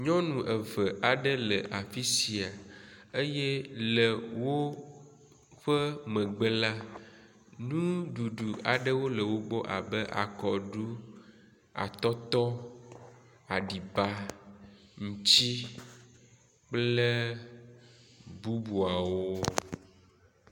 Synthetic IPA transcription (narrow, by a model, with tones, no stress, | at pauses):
ɲɔ̃˦nũ˨ʔə˨və˨ʔa˨ɖə˦lə˨ʔa˨fi˦si˨a˨e˦jɛ˦lə˨wo˦ | ɸə˦mə̃˨ɡ͡bə˦la˦ | nũ˦ɖu˨ɖu˨a̰˨ɖə˦wo˦lə˨wo˦ɡ͡bɔ˦ʔa̰˨bə˦ʔa̰˨kɔ˨ɖu˦ | a̰˨t̪ɔ˦t̪ɔ˦ | a˨ɖi˨ba˦ | ŋũ˨t͡ɕi˦ | k͡plə˦ | bu˦bu˨a˨wo˦